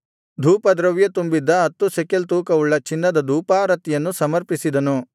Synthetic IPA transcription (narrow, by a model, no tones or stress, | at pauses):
d̪ʱuːpɐd̪ɾɐʋjɐt̪umbid̪ːɐɦɐt̪ːusekelt̪uːkɐuɭːɐt͡ʃinːɐd̪ɐd̪ʱuːpaːɾɐt̪ijɐnːusɐmɐɾpisid̪ɐnu